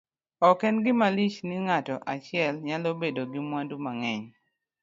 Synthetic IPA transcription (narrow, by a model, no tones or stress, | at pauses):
ɔkɛnɡɪmalit͡ʃnɪŋatɔʔat͡ʃɪɛlɲalobedoɡɪmwandumaŋɛɲ